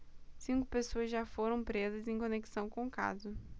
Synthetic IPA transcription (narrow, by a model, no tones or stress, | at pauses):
sĩŋkʊ̥pesoɐzʒafoɾɐ̃w̃pɾezɐzẽj̃kõneki̥sɐ̃w̃kõʊka̰zʊ